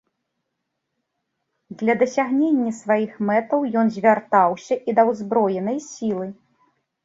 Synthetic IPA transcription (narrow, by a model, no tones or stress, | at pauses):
d̪lʲɐd̪ɐsʲaɣnʲenʲːɐsvajixmɛt̪ɐwjɔnzʲvʲart̪awsʲɐʔid̪ɐwzbɾɔjɛnɐjsʲilˠɨ